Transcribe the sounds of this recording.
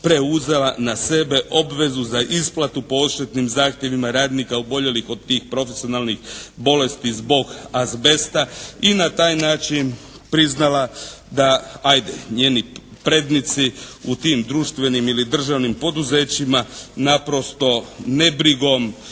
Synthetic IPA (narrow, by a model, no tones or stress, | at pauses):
pɾe̞uze̞lanase̞be̞ʔo̞bʋe̞zuzaʔisplat̪upo̞oʃt̪et̪nimzaːxt̪jeʋimaɾaːd̪nikaubo̞ʎe̞lixo̞d̪̚t̪ːiːxpɾo̞fesio̞nalˠnixbo̞le̞st̪izbo̞ɡazbe̞st̪ainat̪aːjnaːt͡ʃin | pɾiznala | d̪aajd̪e̞ɲeːnipɾe̞d̪nit̪siut̪iːmd̪ɾuʃt̪ʋe̞nimilid̪r̩ʒaʋnimpo̞d̪uze̞ːt͡ɕimanapɾo̞st̪o̞ne̞bɾiɡo̞m